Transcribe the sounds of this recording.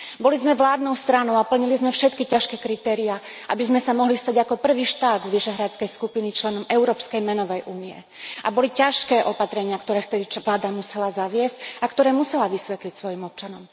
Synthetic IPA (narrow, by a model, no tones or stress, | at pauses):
bɔlizmɛʋlaːd̪nɔʊst̪ɾanɔʊapl̩ɲilizmɛfʃɛt̪kicaʃkɛːkɾit̪ɛːɾia | ʔa̰bizmɛsamɔɦlist̪aɟakɔpr̩ʋiːʃt̪aːd̪zʋiʃɛɦɾat͡skɛjskupinit͡ʃlɛnɔmɛʊɾɔːpskɛjmɛnɔʋɛjʔuːniɛ̰ | ʔa̰bɔlicaʃkɛːʔɔpat̪ɾɛɲɪakt̪ɔɾɛːft̪ɛd̪iʋlaːd̪amusɛlazaʋɪɛscakt̪ɔɾɛːmusɛlaʋisʋɛt̪licsʋɔjimɔp̚t͡ʃanɔm